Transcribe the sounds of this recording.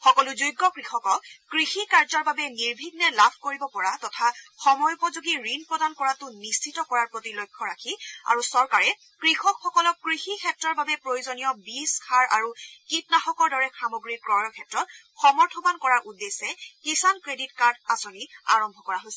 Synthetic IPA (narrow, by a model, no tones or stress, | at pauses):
xɔkɔluzujɡːɔkɹixɔkɔkɹixikaɹzɔɹbabɛniɹbʱiɡ̚nɛlapʰkoɹibɔpɔɹatɔtʰaxɔmɔjupɔzuɡiɹinpɹɔdankɔɹatʊnist͡ʃʰitɔkɔɹaɹpɹotilojkʰːɔɹakʰia̰ɹusɔɹkaɹɛ | kɹixɔkxɔkɔlɔkːɹixikʰɛtɹɔɹbabɛpɹojuzonijɔbisxʰaɹʔa̰ɹukit̚naxɔkɔɹdɔɹɛxamoɡɹikɔkʰɛtɹɔt̚ | xɔmɔɹtʰɔbankɔɹaɹʔudesɛkisankɹeditkaɹdasonia̰ɹɔmbʱɔkɔɹaɦojsɛ